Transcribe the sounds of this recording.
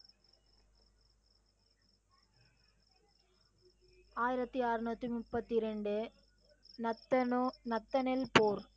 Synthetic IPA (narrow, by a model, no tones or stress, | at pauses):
aːjɪɾɐt̪ːiaːɾɯnuːt̪ːimʊpːɐt̪ːɪɾɛɳɖɯ | nɐt̪ːɐnɐt̪ːɐnɪlpoːɾ